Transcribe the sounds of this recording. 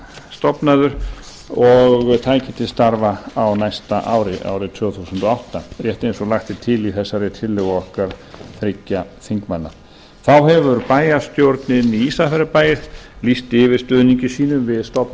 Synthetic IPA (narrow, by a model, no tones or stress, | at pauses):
st̪ɔpnaðʏɾ | ɔɣt̪ʰaːjcɪt̪ʰɪst̪aɾvaawnajst̪aʔawɾɪʔa̰ːwɾɪt̪ʰvʏːθusənt̪ɔawht̪arjɛht̪ejnsɔlaxt̪ɪt̪ʰɪliθɛsːaɾɪt̪ʰɪlːɛɣɔhkaɾ̥θɾɪcːafiŋkmanːa̰ | θawɦɛvʏɾpaːjast̪jowɾt̪nɪniiːsafɛɾɪpaːjɪɾlist̪ɪːvɪɾ̥st̪œːðniɲcɪsiːnʏmvɪðst̪ɔpn